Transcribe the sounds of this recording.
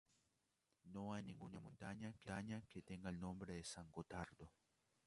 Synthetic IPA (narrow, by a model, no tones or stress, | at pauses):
nõajnĩŋɡunamõnt̪aɲakeaɲaket̪eŋɡaelnõmbɾeðesaŋɡot̪aɾd̪o